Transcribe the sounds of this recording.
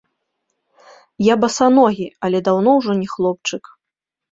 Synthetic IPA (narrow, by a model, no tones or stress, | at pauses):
jabɐsanɔɣʲiɐlʲɛd̪awnɔwʐɔnʲɛxlˠɔp̚t͡ʂɨk